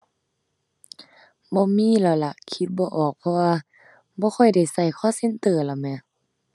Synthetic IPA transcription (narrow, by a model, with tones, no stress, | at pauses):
bɔː˧˦miː˧˥˨la˧˩la˧˩kʰi˧˦t̪̚bɔː˧ʔɔː˨˩k̚pʰɔ˧waː˧ | bɔː˧˦kʰɔ˧˩jda˧˨˩jsa˧˩jkʰɔː˧˨se˧˥˨nt̪ɤː˨˩˨la˨˩mɛː˧˨